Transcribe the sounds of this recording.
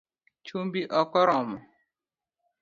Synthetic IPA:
t͡ʃumbiʔɔkɔɾɔmʊ

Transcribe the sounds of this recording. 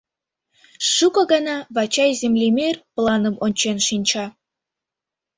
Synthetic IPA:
ʃukɤ̆ɡɑnɑβɑt͡ɕɑjzemlʲemerplˠɑnəmonʲt͡ɕenʃinʲt͡ɕɑ

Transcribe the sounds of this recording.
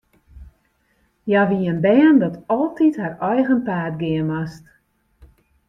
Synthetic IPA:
jaʋiənbɛːndɔtɔlˠtitharɔjɣənpaːtɡɪənast

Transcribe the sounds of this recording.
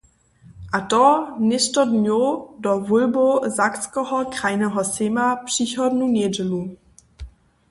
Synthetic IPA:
ʔatɔnɪʃtɐdnjodɔvʊlbozakskəhɔkʁaɪnəɦɔsemapʃiçɔdnuneːd͡ʒəlu

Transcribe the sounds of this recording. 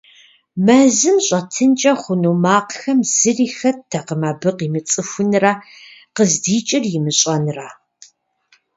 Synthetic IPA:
mɐzɨmɕʼɐtʰɨnt͡ʃʼɐχʷʊnuːmaːqxɐmz̥ɨriːxɐtʰɐqəmaːbɨqiːmɨt͡sʼɨfʷʊnrɐqəzdiːt͡ʃʼɪrjɪmɨɕʼɐnɨraː

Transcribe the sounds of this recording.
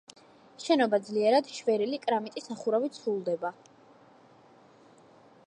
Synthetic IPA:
ʃɛnɔbad̪zliɛɾad̪ʃvɛɾilikʼɾamit̪ʼisaχuɾavit̪sʰulˠd̪ɛba

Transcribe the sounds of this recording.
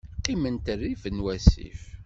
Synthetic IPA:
qːimənt̪ərːivənwæsḭf

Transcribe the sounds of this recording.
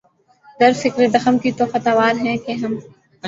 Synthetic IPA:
d̪ɐɾfɪkɾed̪ɐxəmkit̪oxɐt̪aːʋaːɾɦɛ̃keɦɐm

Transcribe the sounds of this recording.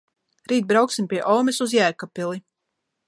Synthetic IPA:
ɾiːt̪̚bɾawksimpʲiɛʔɔːmɛsuzjæːkapilˠi

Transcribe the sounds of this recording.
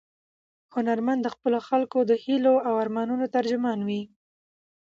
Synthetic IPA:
hʊnaɾmand̪ːəxpəloxalkod̪əhiloawaɾmɑnunot̪aɾd͡ʒʊmɑnwi

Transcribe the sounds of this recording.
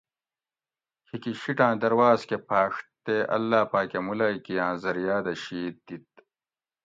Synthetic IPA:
kʰikiɕiʈãːd̪ɐɾwaːzkepʰaːʂʈt̪eʔɐ̰lːaːpaːkemulaːjkijãːzɐɾjaːd̪ɐɕiːt̪̚d̪it̪̚

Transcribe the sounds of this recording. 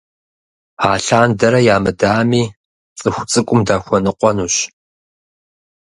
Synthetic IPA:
aːɬaːndɐɾɐjaːmɨdaːmiː | t͡sʼɨxʷt͡sʼɨkʷʼʊmdaːxʷɔnɨqʷɔnuːɕ

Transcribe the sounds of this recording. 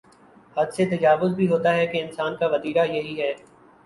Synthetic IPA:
hɐd̪set̪ɐd͡ʒaːʋʊzbʱiɦoːt̪aɦɛkeɪnsaːnkaʋɐd̪iːɾajɐɦiɦɛː

